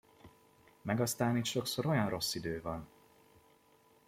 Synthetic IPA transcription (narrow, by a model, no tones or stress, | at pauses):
mɛɡɒst̪aːnit̪ʃo̞kso̞ɾo̞jɒnro̞sːid̪øːvɒn